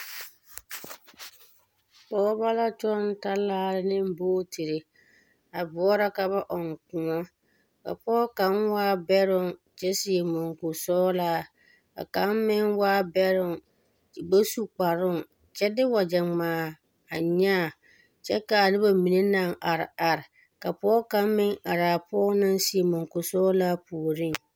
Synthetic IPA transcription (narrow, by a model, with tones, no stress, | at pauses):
pɔː˦ba˦la˦t͡ʃɔ˦n˦ta˦laː˦˨ɾɪ˦nɪ̃˦m˦boː˦tʰi˨ɾe˨ | a˨bʊ˨ɔ˦ɾa˦ka˨ba˦ʔɔ˨ŋ˨kʊ̃˨ɔ˦ | ka̰˨pɔː˦ka˦nwaː˦bɛ˦ɾʊ˦ŋ | t͡ʃɛ˦sɪ˨e˨mɔ˨ŋ˨kʊ˨sɔː˦la˦ | ka̰˨ka˨˦mmɪ˦ŋwaː˦bɛ˦ɾʊ˦ŋ˨ | ɡ͡ba˦su˦k͡pa˨ɾʊ˦ŋ | t͡ʃɛ˦dɪ˦wa˨d͡ʒɛ˨ŋ͡maː˨ | a˨ɲaː˦˨ | t͡ʃɛ˦ka˨nɪ˦ba˨mi˨ne˦na˨ŋa˨ɾɪ˨a˨ɾɪ˨ | ka˨pɔː˦ka˨˦mmɪ˦ŋa˨ɾaː˨pɔː˦na˦nsi˨e˨mɔ˨ŋkʊ˨sɔː˦laː˦pu˨o˨ɾi˦˨